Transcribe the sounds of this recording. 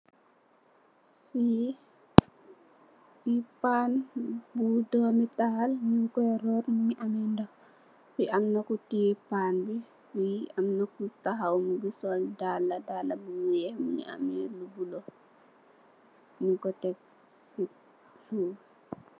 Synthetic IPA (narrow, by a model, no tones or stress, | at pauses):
fi | ipanbudɔmitahalɲuŋkɔɛɾɔːɾmuɲiʔamindɔ | fiʔamnakutipanbi | fiamnakutaɦawmubisɔldalːadalːabumujɛhmuɲḭʔa̰milubulo | ɲuŋkɔtɛk̚ | si | suː